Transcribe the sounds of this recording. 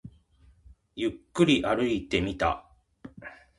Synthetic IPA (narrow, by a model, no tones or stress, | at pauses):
jɯkːɯɾʲiʔaɾɯ̟it̪e̞mʲit̪a̰